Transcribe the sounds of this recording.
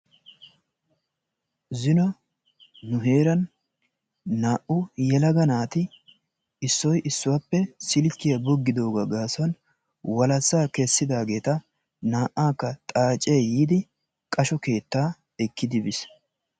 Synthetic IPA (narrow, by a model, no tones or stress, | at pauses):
zɪnɔː | ʊɦe̞ːɾɐn | aːʔʊjɛlɐɡɐnaːt̪ɪ | ɪsːɔjʔɪsːʊwɐpːɛsɪlɪkːɪjɐbɔɡːɪd̪o̞ːɡɐɡaːsɔn | wɐlɐsːaːkɛsːɪd̪aːɡe̞ːt̪ɐ | naːʔːaːkːɐt̪ʼaːt͡ʃʼːeːjiːd̪ɪ | kʼɐʃɔke̞ːt̪ːaː | ɛkːɪd̪ɪbɪs